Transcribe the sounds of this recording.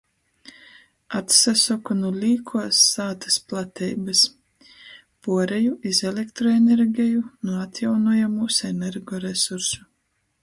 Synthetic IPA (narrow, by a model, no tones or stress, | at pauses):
at̪sasɔkunulʲiːkʰuɔsːaːt̪ḁsplˠat̪ʲʰɛjbas | puɔɾɛjuʔizelʲekt̪ɾɔeneɾɡʲɛjunuat̪ʲjawnuɔjamuseneɾɡɔɾesuɾsu